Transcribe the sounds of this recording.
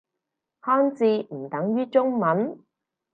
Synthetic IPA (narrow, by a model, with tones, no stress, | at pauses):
hɔː˥nt͡siː˧m̩˨˩t̪ɐ˨˥ŋjyː˥t͡ʃʊ˥ŋmɐ˨˥n